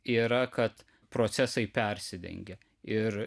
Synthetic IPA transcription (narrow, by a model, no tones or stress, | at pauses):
iːɾɐkɐt̪ | pɾoːt̪sʲɛsɐɪpʲɛɾʲsʲɪd̪ʲɛ̰ŋʲɡʲɛ | ɪɾ